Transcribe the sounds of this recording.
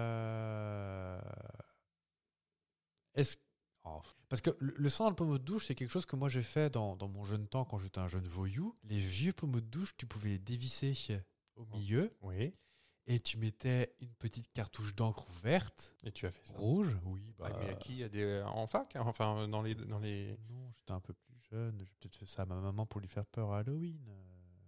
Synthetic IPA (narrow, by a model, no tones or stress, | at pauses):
ɛs | ɑ̰̃fpaʁsə̥kələləsɑ̃d̪ɑləpɔmod̪əd̪uʃsɛkʲɛlkəʃozkəmwaʒefɛd̪ɑ̃d̪ɑ̃mɔ̃ʒœnt̪ɑ̃kɑ̃ʒet̪ɛɛ̃ʒœnvɔjulevjøpɔmɔd̪d̪uʃt̪ypuvɛled̪evise | omiljøwi | et̪ʰymɛt̪ʰɛynpət̪it̪̚kaʁt̪uʃd̪ɑ̃kχuvɛʁt̪et̪ʰyafɛ̥sʁuʒwibaamɛ̰a̰kʲʰijad̪eɑ̰̃fakfɛ̃d̪ɑ̃led̪ɑ̃lenɔ̃ʒet̪ɛɛ̃pøplyʒœnʒepət̪ɛt̪χfɛsaːmamamɑ̃puʁlɥifɛʁpœʁaːlɔin